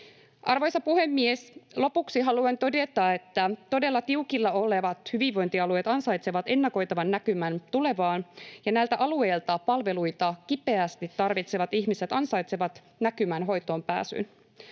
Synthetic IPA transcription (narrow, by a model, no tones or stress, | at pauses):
ʔɑrʋo̞jsɑpuhe̞mːieslo̞puksiɦɑluent̪o̞de̞t̪ɑe̞t̪ːæt̪o̞de̞lːɑt̪iukilːɑo̞leʋɑt̪hyʋiʋʋo̞jnt̪iɑlue̞ːt̪ɑnsɑjt̪seʋɑt̪e̞nːɑko̞jt̪ɑʋɑnːækymænt̪ule̞ʋɑːnjɑnæjlt̪æʔɑlue̞ːlt̪ɑpɑlʋe̞lujt̪ɑkipe̞æst̪it̪ːɑrʋit̪seʋɑt̪içmise̞t̪ɑnsɑjt̪seʋɑt̪ | nækymænɦo̞jt̪o̞ːmpæ̰ːsy̰n